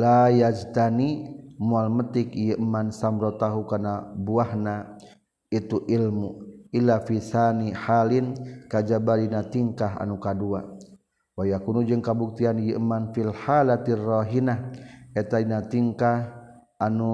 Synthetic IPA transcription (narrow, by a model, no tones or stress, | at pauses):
lajad͡ʒt̪animualmət̪ɪkjəʔmansamɾot̪aɦukarnabuahna | it̪uʔilmuʔilːafisanihalinkad͡ʒabalinat̪iŋkaɦa̰nukadua | wajakunud͡ʒəŋkabuk̚t̪ianjəʔmanfilhalat̪raɦinaɛt̪ainat̪iŋkah | anu